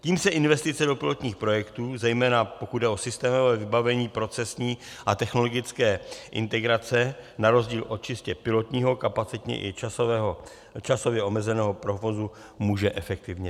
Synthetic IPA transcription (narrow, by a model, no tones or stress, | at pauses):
ciːmsɛʔɪnvɛst̪ɪt͡sɛdo̞pɪlo̞t̪ɲiːxpɾo̞jɛkt̪uːzɛjmɛːnapo̞kud̪dɛʔo̞sɪst̪ɛːmo̞vɛːvɪbavɛɲiːpɾo̞t͡sɛsɲiː | ʔat̪ɛxno̞lo̞ɡɪt͡skɛːʔɪ̰nt̪ɛɡɾat͡sɛnaɾo̞zɟiːlʔot̪̚t͡ʃɪscɛpɪlo̞t̪ɲiːɦo̞kapat͡sɪt̪ɲɛ̰ʔɪ̰t͡ʃasvɛɦo | t͡ʃaso̞vjɛo̞mɛzɛnɛːɦo̞pɾo̞vo̞zu | muːʒɛʔɛfɛk̚t̪ɪvɲɛ